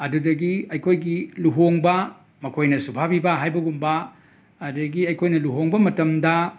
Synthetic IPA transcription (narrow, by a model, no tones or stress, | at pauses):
ɐdudɐɡiɐjkʰojɡiluɦoŋbɐ | mɐkʰojnɐsubʰʱabibɐɦajbɐɡumbɐː | dɐɡiɐjkʰojnɐluɦoŋbɐmɐtɐmdɐ